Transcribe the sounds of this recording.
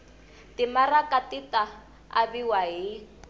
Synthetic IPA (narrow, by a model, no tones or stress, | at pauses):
timarakatita | a̰biwaɦi